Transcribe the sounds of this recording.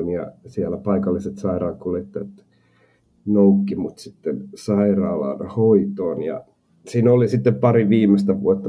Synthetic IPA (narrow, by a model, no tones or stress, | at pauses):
njɑ̰siælːæpɑikɑlːiset̪sɑirɑːkulet̪ːet̪ | noukːimut̪sit̪ːensɑirɑːlɑ̰nhoit̪oːnjɑ̰ | siːnolisit̪ːeppɑriʋiːmːˑest̪æʋṵot̪ːɑ